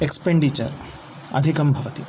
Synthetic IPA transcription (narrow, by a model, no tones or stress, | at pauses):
ekspeɳɖit͡ʃɐ̰ɾ | ɐ̰d̪ʱikɐmbʱɐʋɐt̪i